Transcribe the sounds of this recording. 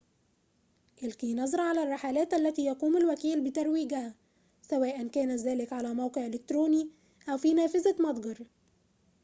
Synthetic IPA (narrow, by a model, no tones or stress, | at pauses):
ʔɪlkiːnɑzˤɾˤɑʕalærˤːɑħalæːt̪ʔælːæt̪iːjɑquːmalwækiːlbɪt̪ɑɾˤwiːɡæhæ | sæwæːʔænkæːnæzæːlɪkʕalæːmawqeʕʔɪlɪk̚t̪ɾuːniː | ʔæwfiːnæːfɪzamɑd̪ˤɡɑɾˤ